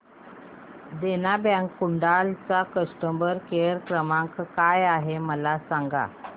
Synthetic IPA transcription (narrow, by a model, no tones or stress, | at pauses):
d̪enabjãŋkkːuɳɖalt͡sakəsʈəmbəɾkeəɾkɾəmãkkajaɦeməlasaŋɡa̰